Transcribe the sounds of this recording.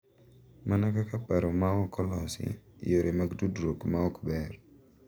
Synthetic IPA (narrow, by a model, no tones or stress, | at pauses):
manakakapaɾomawɔkʰɔlɔsɪ̰joɾʔemaɡdudɾokmaɔkbɛr